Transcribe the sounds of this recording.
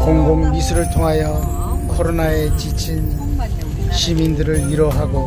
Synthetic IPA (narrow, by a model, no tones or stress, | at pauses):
koŋɡoŋmisʰuɾɯɭtʰoŋɦajʌ | kʰʌɾonaet͡ɕit͡ɕʰin | ɕʰimindɯɾɯɾiɾʌɦaɡo